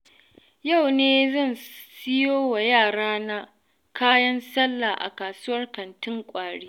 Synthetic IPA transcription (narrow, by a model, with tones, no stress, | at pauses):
ja˦˨wneː˦zɐ˦˨nsɪ˦joː˦wa˨jaː˦˨ɽaː˦na˦ | kaː˦jɐ˦nsɐ˦lːa˨ʔa̰˨kaː˨sʊ˦wɐ˦rkɐ˨ntɪ˦ŋkʷʼaː˨ɽeː˦